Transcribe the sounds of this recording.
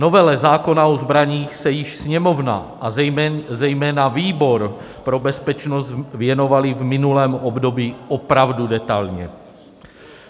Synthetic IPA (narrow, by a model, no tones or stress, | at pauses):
nɔʋɛlɛzaːkɔnaɔzbɾaɲiːxsɛjiʃsɲɛmɔwna̰ | azɛjmɛːnaʋiːbɔɾ | pɾɔbɛspɛt͡ʃnɔzʋɪɛnɔʋalivminulɛːmɔbd̪ɔbiːɔpɾaʊd̪ud̪ɛt̪aʎɲɛ̰